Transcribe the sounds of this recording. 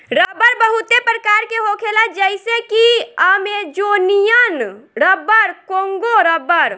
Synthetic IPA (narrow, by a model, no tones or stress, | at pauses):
ɾəbəɾbəɦut̪epɾəkaːɾkeɦokʰelad͡ʒəɪsekiəmed͡ʒonijənɾəbəɾkoŋɡoɾəbəɾ